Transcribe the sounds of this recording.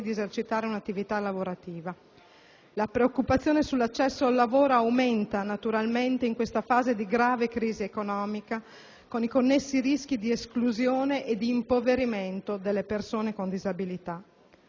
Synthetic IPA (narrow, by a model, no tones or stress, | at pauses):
d̪iezert͡ʃit̪aːɾeunat̪ːivit̪alːavoɾat̪iːva | lapɾeokːupat̪sːjoːnesulːat͡ʃːɛsːoalːavoːɾoawment̪anat̪uɾalment̪eiŋkwest̪afaːzed̪iɡɾaːvekɾiːziekonɔːmika | konikonːesːirisk̟id̪ieskluzjoːneʔed̪iːmpoveɾiment̪od̪elːepersoːnekond̪izabilit̪a